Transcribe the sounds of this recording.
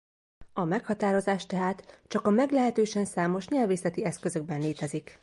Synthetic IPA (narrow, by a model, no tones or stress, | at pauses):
ɒmɛkhɒt̪aːɾo̞zaːʃt̪ɛɦaːt̪t͡ʃɒkɒmɛɡlɛɦɛt̪øːʃɛnsaːmo̞ʃɲɛlveːsɛt̪iɛskøzø̞ɡ̚bɛnleːt̪ɛzik